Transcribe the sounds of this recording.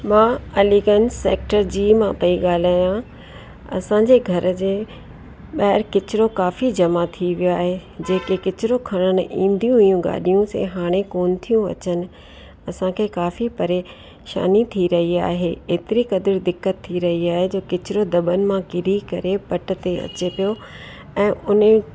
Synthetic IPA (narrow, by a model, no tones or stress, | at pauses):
mãːɐliːɡənseːk̚ʈəɾd͡ʑiːmãpɐiɠaːl̤aːjã | ɐ̰sãːɲ̆d͡ʑeɡʱɐɾ̆d͡ʑeː | ɓɐɦɪɾkɪt͡ɕɪɾokaːfid͡ʑɐmat̪ʰiʋijoaːɦed͡ʑeːkekɪt͡ɕɪɾokʰɐɽ̃ənɪ̆ĩːn̆d̪ijũɦʊjũɡa̰ːɗijũsḛɦaːɽ̃ekoːnɪ̆t̪ʰijũɐ̰t͡ɕənɪ̆ | ɐsãkʰekaːfipɐɾeː | ʃa̰ːnit̪ʰiɾɐɦia̰ːɦeeːt̪ɪɾikɐd̪əɾd̪ɪkːət̪ʰːiɾɐɦiaːɦed͡ʑoːkɪt͡ɕɪɾod̪ɐbənɪ̆mãkɪɾikɐɾepɐʈ̆t̪eɐ̰t͡ɕepijo | ɛ̃ːʊn